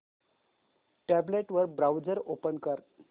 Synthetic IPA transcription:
ʈæbleʈʋəɾbɾawd͡zəɾopənkəɾ

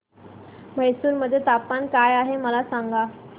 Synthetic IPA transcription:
məɦjsuːɾməd̪ʱːjet̪apːankajaɦeməlasaŋɡa

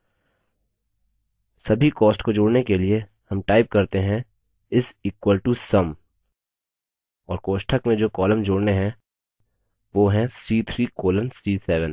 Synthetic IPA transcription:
sɐbʱikɔːsʈkod͡ʒoːɽnekeliehɐmʈaːɪp̚kɐɾt̪eɦɛ̃ | ɪsiːkwəlʈusɐm | ɔːɾkoːʃʈʰəkmẽd͡ʒoːkɔːləmd͡ʒoːɽneɦɛ̃ | ʋoːɦɛ̃siːt̪ʰɾiːkoːlənsiːsɛːʋə̃n

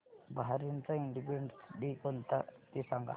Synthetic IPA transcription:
baaɾint͡saiɳɖipieɳɖsɖikont̪at̪isaŋɡa̰

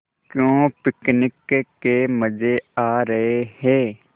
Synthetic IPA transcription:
kjõːpɪknɪkkeməd͡ʒeaːɾəɦehɛː

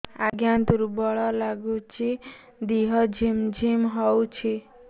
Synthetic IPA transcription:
aɡjant̪uɾubɔɭɔlaɡut͡ʃʰi | d̪iɦʌd͡ʒʱimd͡ʒʱimɦɔwt͡ʃʰi

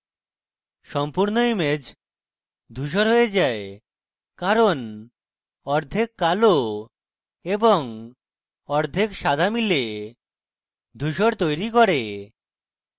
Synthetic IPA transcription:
ʃɔmpuɾnoimed͡ʑ | d̪ʱuʃ̬oɾɦojed͡ʑae | kaɾon | ɔɾd̪ʱekːalo | eboŋ | ɔɾd̪ʱekʃad̪ʱamile | d̪ʱuʃoɾt̪ojɾikɔɾe

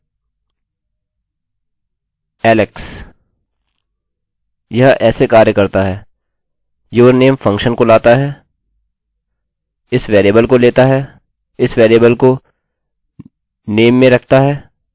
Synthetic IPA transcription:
ɛːlɪks | jɐɦʔɛːsekaːɾjəkɐɾt̪aɦɛː | joːɾneːmfɐ̃ŋkʃənkolaːt̪aɦɛː | ɪsʋeːɾieːbəlkoleːt̪aɦɛː | ɪsʋeːɾiebəlko | neːmːẽɾɐkʰt̪aɦɛː

